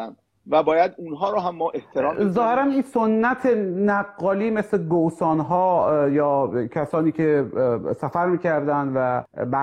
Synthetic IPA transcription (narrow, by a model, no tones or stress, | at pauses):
n | væbɒːjæd̪unɦɒːɾoɦæmːɔːʔeht̪ʰeɾɒːmzɒːhe̞ɾæninsonːæt̪ʰenæɡːɒːliːmesleɡowsɒːnɦɒːjɒːcʰæsɒːniːcʰesæfæɾmiːcʰæɾd̪ænd̪væbæ